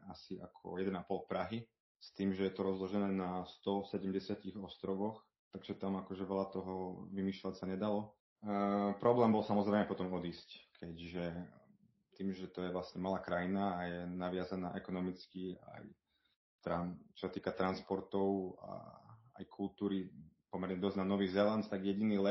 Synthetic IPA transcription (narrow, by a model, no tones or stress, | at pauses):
asia̰kʰɔ̰jɛd̪ɛnapɔlpɾaɦi | st̪iːmʒɛjɛt̪ɔɾɔzlɔʒɛnɛːnast̪ɔsɛɟɛmɟɛsɪaciɣɔst̪ɾɔʋɔx | t̪aɡʒɛt̪amakɔʒɛʋɛʎat̪ɔɦɔʋimiːʃlacsaɲɛd̪alɔ | pɾɔblɛːmbɔlsamɔzɾɛjmɛpɔt̪ɔmɔd̪iːsckʰɛɟʒɛ | t̪iːmʒɛt̪ɔjɛʋlastɲɛmalaːkɾajinaːjɛnaʋɪazana̰ːʔɛkɔnɔmit͡skia̰j | t̪ɾant͡ʃɔ̥sat̪iːkat̪ɾanspɔɾt̪ɔʊa̰a̰jkʰult̪uːɾipɔmɛɾɲɛd̪ɔznanɔʋiːɣzɛlant̪aɡjɛɟiniːlɛ